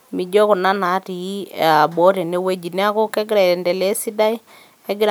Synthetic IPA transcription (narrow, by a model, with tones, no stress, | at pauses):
mi˨d͡ʒɔ˦ko˨na˦na˨˦ti˨i˦a˨bo˨˦te˨ne˦we˦d͡ʒi˨ne˦a˦ko˦kɛ˦ɡɪ˦ɾa˨ndɛ˨le˦si˦da˦i˦ | ɛ˦ɡɪ˦ɾ